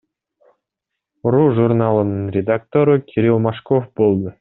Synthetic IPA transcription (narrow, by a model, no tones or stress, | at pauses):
ruʐurnɑlˠənənrʲed̪ak̚t̪oɾəkʲʰeɾʲilˠmɑʂkofbolˠd̪ə